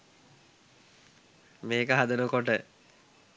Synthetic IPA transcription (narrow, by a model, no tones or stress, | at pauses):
meːkəɦad̪ənokoʈə